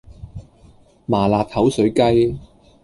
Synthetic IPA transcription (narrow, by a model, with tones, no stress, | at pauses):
maː˨˩laː˨k̚hɐ˨˥wsɵ˨˥ɥkɐ˥j